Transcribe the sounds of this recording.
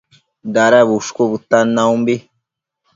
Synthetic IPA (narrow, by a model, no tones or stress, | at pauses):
d̪aɾaβuʂkobut̪ːanːaũmbi